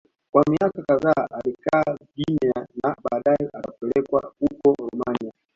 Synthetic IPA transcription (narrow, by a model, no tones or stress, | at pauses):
kwamiakakaðaʔalikaːɡinianaɓaːɗajɛʔatapɛlɛkwa̰hukɔlɔmania